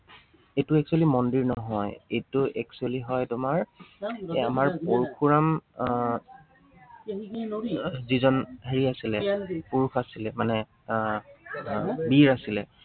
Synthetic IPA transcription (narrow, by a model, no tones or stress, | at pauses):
ejtʊɛk̚sualimɔndiɹnɔɦɔjejtʊʔɛksualiɦɔjdɔmaɹ | amaɹpoɹkʰuɹam | zizɔnɦeɹiasilɛpuɹuxasilɛmanɛ | biɹasilɛ